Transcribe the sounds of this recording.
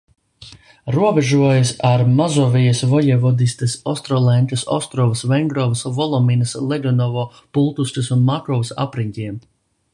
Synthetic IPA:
ɾuɔbɛʒuɔjɐsaɾmazɔvijɐsvɔjɛvɔd̪isʲt̪ɐsɔst̪ɾɔlˠɛnʲt̪ɐsɔ̰st̪ɾɔvɨsvɛŋɡɾɔvsvɔlˠɔminɐslˠɛɡɔnɔvɔː | pulˠt̪ustɐsunmakɔvsa̰pɾiɲcʲiɛm

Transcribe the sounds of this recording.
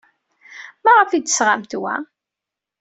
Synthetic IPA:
mæʁəfid̪ə̥sʁamt̪wæ̰

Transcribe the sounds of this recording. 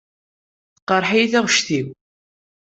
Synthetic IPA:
θqːəɾˤħijθæʁʃθiw

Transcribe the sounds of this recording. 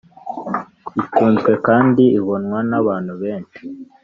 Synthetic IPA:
ituːnzɡwe̞kaːndiiβo̞nwanaβaːnhuβeːnt͡ʃi̥

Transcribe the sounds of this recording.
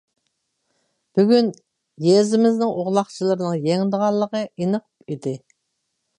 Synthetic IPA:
b̥yɡʲyn | jezɪmɪznɪŋʔoʁlˠɑχt͡ʃʰilˠɨɾɨnɨŋjɛŋd̪əʁɑlˠːəʁəʔinəqʰu̥pid̪ɪ

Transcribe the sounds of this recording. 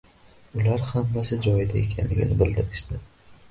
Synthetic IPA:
ʊlaɾhamːasɪd͡ʒɒjɪd̪ae̞kʲʰanlɪ̰ɡʲɪ̰nɪbɪld̪ɪɾɪʃd̪ɪ

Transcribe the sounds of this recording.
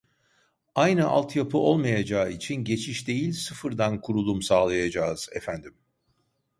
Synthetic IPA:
ajnɯʔa̰lˠt̪ʰjapʰɯʔo̞lˠmajad͡ʒaːit͡ʃʰinɟe̞t͡ʃʰiʃd̪e̞jilʲsɯfɯɾd̪ankʰuɾulˠumsaːlˠajad͡ʒaːz̥ɛ̰fænd̪im

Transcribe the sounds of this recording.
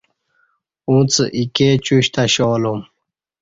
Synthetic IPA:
ũt͡sə̰ʔiket͡ɕuɕt̪aɕoːlum

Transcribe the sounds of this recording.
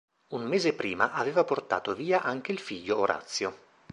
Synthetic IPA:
unmeːzepɾiːmaʔaveːvaport̪a̰ːt̪oviːaʔaŋk̟eilfiʎːooɾʔa̰t̪sːjo

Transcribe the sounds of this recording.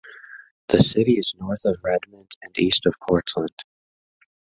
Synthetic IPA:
ðɨsɪɾiɨznɔɹθʌvɹɛd̚mɨ̃ndɨ̃nistʌv̥kʰɔɹtʰlə̃nd̥

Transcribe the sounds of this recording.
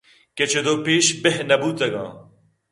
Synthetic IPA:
ket͡ʃʰed̪oːpeːʃbeɦnɐbuːt̪ɐɡã̰ː

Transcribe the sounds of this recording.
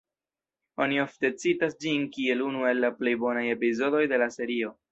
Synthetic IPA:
o̞nio̞fte̞t͡sitasd͡ʒinkie̞lunue̞lːaple̞jbo̞naje̞pizo̞do̞jde̞lase̞ɾio̞

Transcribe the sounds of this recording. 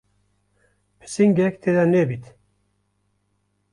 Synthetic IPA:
pʰɨ̥siŋɡɛkt̪ʰeːd̪anebit̪

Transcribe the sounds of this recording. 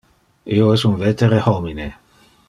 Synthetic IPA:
ioɛsunvet̪eɾehomine

